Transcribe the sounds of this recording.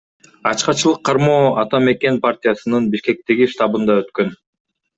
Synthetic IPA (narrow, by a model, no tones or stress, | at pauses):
ɑt͡ʃqɑt͡ʃɯlˠɯqʰːɑɾmo̞ːɑt̪ɑme̞ke̞npartʲɪjasɯnɯnbiʃke̞k̚t̪e̞ɡiʃt̪ɑbɯnd̪ɑø̞t̪kø̞n